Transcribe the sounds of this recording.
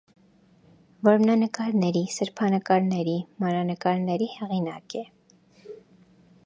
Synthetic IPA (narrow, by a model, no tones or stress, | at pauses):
vɔɾmnɑnəkɑɾnɛɾisəɾpʰɑnəkɑɾnɛɾimɑɾɑnəkɑɾnɛɾihɛʁinɑkɛ